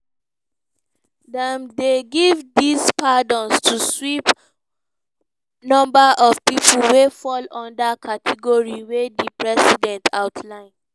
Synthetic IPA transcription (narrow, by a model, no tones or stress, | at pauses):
dɛ̃mdeɡivdispadɔ̃nstʰuswip | nɔ̃mbaʔɔvpipul̩wefɔlɔ̃ndakʰatʰɛɡɔɹiwedipɹɛsidɛ̃ntʰaʊtʰlãɪ̃n